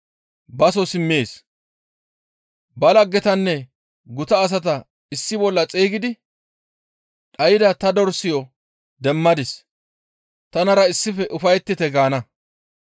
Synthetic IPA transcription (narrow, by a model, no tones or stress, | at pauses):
bɐs̬ɔsɪmːeːs | bɐlɐɡːɛt̪ɐnːɛ | ɡʊt̪ɐːs̬ɐt̪ɐ | ɪsːɪbɔlːɐt͡sʼeːɡɪd̪ɪ | ᶑɐjɪd̪ɐt̪ɐd̪ɔɾsɪjɔ | d̪ɛmːɐd̪ɪs | t̪ɐnɐɾɐɪsːɪfɛʔʊfɐjt̪ːɪt̪ɛɡaːnɐ